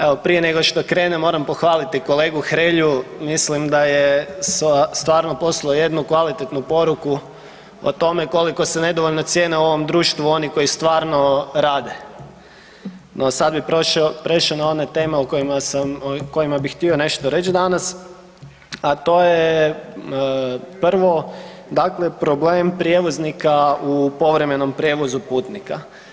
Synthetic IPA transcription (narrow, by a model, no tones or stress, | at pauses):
eʋopɾije̞ne̞ɡoʃt̪o̞kɾe̞ːnemo̞ːɾampo̞xʋaːlit̪iko̞le̞ːɡuxɾeːʎumislimd̪ajesst̪ʋaːɾno̞po̞slˠaoje̞d̪nukʋalit̪et̪nupo̞ɾuku | o̰t̪o̞me̞ko̞liko̞sene̞d̪o̞ʋoʎnot̪sjeːneoo̞ʋo̞md̪ɾuːʃt̪ʋuo̞nikojist̪ʋaːɾno̞ɾaːd̪e̞ | nʔosad̪biɾoʃpɾeʃaonaone̞t̪eːmeukoimasamko̞imabixt̪io̞ne̞ʃt̪oɾe̞t͡ʃd̪anas | at̪o̞ːje | pr̩ʋo̞ | d̪akle̞pɾo̞bleːmpɾjeʋo̞znikaupo̞ʋɾe̞me̞no̞mpɾʲje̞ʋo̞zupuːt̪nika̰